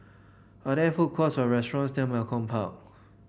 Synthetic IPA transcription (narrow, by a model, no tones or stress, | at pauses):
adɛfukʰɔtswɔɹɛstɹɔ̃nsdɛ̃mɛlkʰɔ̃mpʰaʊ